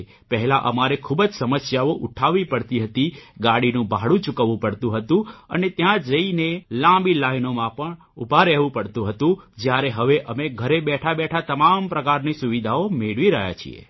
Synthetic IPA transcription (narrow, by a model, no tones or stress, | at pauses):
pəɦɛlãʔəmaɾekʰubəd͡ʒsəməsjaoʔuʈʰaʋipəɽt̪iɦət̪iɡaɽinũbaɦɽũt͡ʃukəʋũpəɽt̪ũɦət̪ũə̰net̪jãd͡ʒəinelãmbilainomãpəɳ | ṵbʱaɾɛɦʋũpəɽt̪ũɦət̪ũd͡ʒjaɾeɦəʋeʔəmeɡʱəɾebɛʈʰabɛʈʰat̪əmampɾəkaɾnisuʋid̪ʱaomeɭʋiɾəɦja̰t͡ʃʰḭḛ